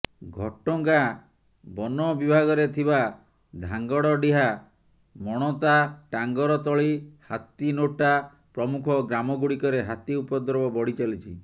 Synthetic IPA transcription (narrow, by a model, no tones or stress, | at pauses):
ɡʱɔʈɔŋka | bɔnɔbibʱaɡɔɾet̪ʰiba | d̪ʱaŋɡɔɽɔɖiɦa | mɔɽ̃ɔt̪aʈaŋɡɔɾɔt̪ɔɭihat̪inoʈa | pɾɔmukʰɔɡɾamɔɡuɽikɔɾeɦat̪iupɔd̪ɾɔbɔbɔɽit͡ʃɔlit͡ʃʰi